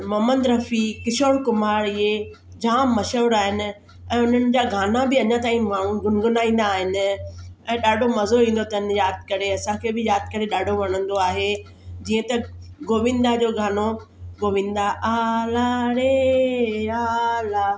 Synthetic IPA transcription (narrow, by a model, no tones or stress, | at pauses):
mɐːmə̃nd̪ɾɐfikɪʃoːɽkʊmaːɾɪe | d͡ʑaːmːɐʃəʋɾaːɦɪnɪ̆ | ɛ̃ːʊn̤ənɪ̆d͡ʑaːɡʱaːnabɪɐɲãt̪aːĩmaːɽ̤̃ũɡʊnɪɡʊnaːĩːn̆d̪aːɦɪnɪ̆ɛ̃ːɗaːɖʱomɐzoĩːn̆d̪ot̪ɐɪnjaːd̪̚kɐɾeɐsãkʰeːbɪjaːd̪̚kɐɾeɗaːɖʱoʋɐɽ̃ə̃nd̪oaːɦe | d͡ʑiːə̃t̪ɐɡoːʋɪ̃nd̪ad͡ʑoːɡʱaːno | ɡoːʋɪ̃n̆d̪aʔaːlaɾe | aːlaː